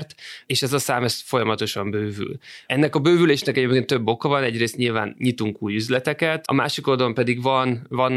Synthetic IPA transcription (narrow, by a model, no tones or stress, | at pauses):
rt̪eːʃɛzɒsaːmɛsfo̞jɒmɒt̪o̞ʃɒmbøːvy̰lɛnːɛkɒbøːvyleːʃnɛkɛɟeːpkeːnt̪t̪øbːo̞kɒvɒnɛɟreːst̪ɲilva̰ːnɲit̪uŋkuːjyzlɛt̪ɛkɛt̪ɒ̰ma̰ːʃiko̞ld̪ɒlompɛd̪iɡvɒnvɒn